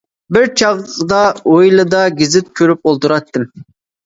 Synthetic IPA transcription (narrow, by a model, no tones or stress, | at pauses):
bɪɾt͡ʃʰɑʁˠqd̪ɑojlˠɨd̪ɑɡʲizɪt̪̚kʲʰøɾyp̚olˠt̪uɾɑt̪ːɨm